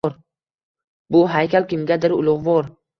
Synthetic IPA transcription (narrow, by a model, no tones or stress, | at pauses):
ɾ | bʊɦajkʲalkʲɪmɡʲad̪ɪɾʊ̰lˠʊʁvɒɾ